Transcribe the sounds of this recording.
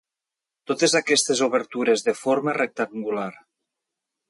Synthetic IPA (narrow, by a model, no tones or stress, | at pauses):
t̪ot̪ezakɛst̪ezoβ̞eɾt̪uɾezðefoɾmərek̚t̪aŋɡulaɾ